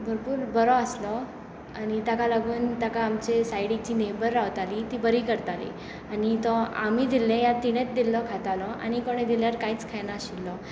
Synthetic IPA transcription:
bʱəɾpuːɾbəɾɔəslɔ | anit̪jakalaɡuːnt̪jakaːmt͡ɕesajɽit͡ɕiːnebəɾːawt̪alit̪iːbəɾiːkəɾt̪alḭ | anit̪ɔam̤id̪ilːẽjat̪ːiɽ̃et̪̚d̪ilːɔkʰat̪alɔʔa̰ñikoɽ̃ed̪iljaɾkait͡skʰajnaɕilːɔ

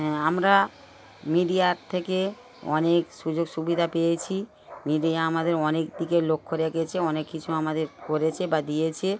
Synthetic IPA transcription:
amɾa | miɖijaɾt̪ʰeke | ɔ̰nekʃud͡ʑoɡʃubid̪ʱapejet͡ɕʰi | miɖiaamad̪eɾɔnek̚d̪ikelokʰːoɾeɡet͡ɕʰeɔnekːit͡ɕʰuamad̪eɾkoɾet͡ɕʰebad̪ijet͡ɕʰe

